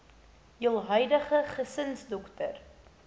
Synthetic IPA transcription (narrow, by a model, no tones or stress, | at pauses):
jəlˠɦœɥdəχəχəsənsdɔktər